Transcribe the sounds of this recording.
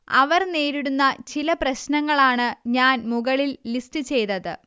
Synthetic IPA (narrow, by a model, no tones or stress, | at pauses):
ɐ̰ʋɐrneːɾiɽunːɐt͡ɕilɐprɐɕnɐŋːɐɭaːɳɨɲaːnmuɣɐɭilːistɨt͡ɕe̞jt̪ɐðɨ